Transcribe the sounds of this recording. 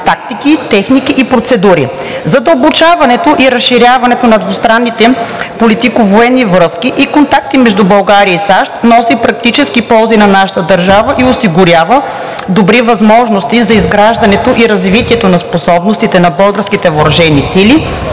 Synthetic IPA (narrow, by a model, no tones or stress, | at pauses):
t̪ak̚t̪ikit̪ɛxnikiʔipɾot̪sɛd̪uɾḭ | zɐd̪ɐlˠbot͡ʃavɐnɛt̪oʔiɾɐsʃːiɾʲjavɐnɛt̪onɐd̪vost̪ɾanːit̪ɛpolit̪ikovoɛnːivɾɤskiʔikont̪ak̚t̪imɛʒd̪ubɐlˠɡaɾiəisaʃt̪nɔsipɾɐk̚t̪it͡ʃɛskipɔlˠzinɐnaʃə̥t̪əd̪ɐɾʒavəʔiosiɡʊɾʲjavə | d̪obɾivɐzmɔʒnost̪izɐizɡɾaʒd̪ɐnɛt̪oʔiɾɐzvit̪iɛt̪onɐsposɔbnost̪it̪ɛnɐbɤlˠɡəɾskit̪ɛvoɾɐʒɛnisili